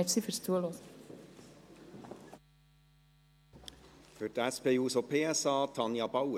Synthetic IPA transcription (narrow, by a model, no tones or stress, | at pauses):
ɛfsifœɾst̪ʰuəloːs | høːʈ̪æspeːuːsopʰeːɛsɑːt̪ʰɑnjɑbɑʊə